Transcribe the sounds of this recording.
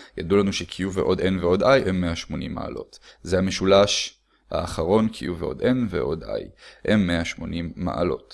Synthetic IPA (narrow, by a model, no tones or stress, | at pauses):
ja̰dulanuʃekʰijuveʔo̞dʔe̞nveo̞dajhemːeaʃmo̞nḭmːa̰a̰lo̞̰tzehameʃulaʃ | ha̰ːχaʁo̞nkʰijuveʔo̞̰dʔe̞nvḛʔo̞da̰jhemːeaʃmo̞nimːa̰ʔa̰lo̞̰t